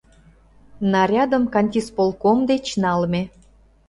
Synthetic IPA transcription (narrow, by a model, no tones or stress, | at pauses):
nɑɾʲɑd̪əmkɑnʲtʲispolˠkomd̪et͡ɕnɑlme